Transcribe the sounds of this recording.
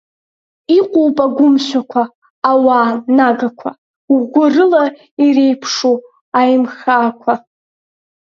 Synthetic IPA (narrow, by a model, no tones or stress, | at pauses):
iqʷʼowpʼaɡʷʊmʃʷᶣakʷʰaː | waːnaɡakʷʰa̰ | wɡʷʊrɨla | irejpʰʂu | ajmχaːkʷʰa